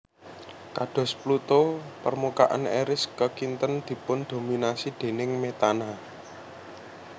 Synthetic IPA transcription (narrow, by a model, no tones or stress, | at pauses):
kad̥ɔ̤splut̪opərmuka̰ʔa̰neɾɪskəkint̪ənd̪̥i̤pʊnd̪̥o̤minasid̪̥e̤nɪŋmet̪ana